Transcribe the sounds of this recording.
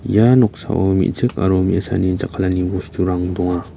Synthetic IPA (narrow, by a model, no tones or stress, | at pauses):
janɔk̚sa̰wʔomḭzɯk̚a̰ɾɔmḭasa̰nizakʰalanibɔstuɾaŋdɔŋa